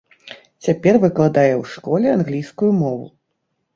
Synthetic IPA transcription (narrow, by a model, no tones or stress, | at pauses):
t͡sʲapʲɛrvɨklˠad̪ajɛwʂkɔlʲɛanɣlʲijskujumɔvṵ